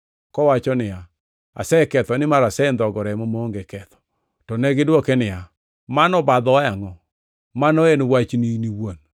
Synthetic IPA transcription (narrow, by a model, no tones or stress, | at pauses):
kɔwat͡ʃɔnɪja | a̰sɛkɛt̪ɔnɪmaɾasɛnd̪ɔɡɔɾɛmɔmoːŋɡekɛt̪ɔ̥ | tɔnɛɡɪdwokenɪja | manɔbad̪ɔaŋɔ | manɔenwat͡ʃniniwon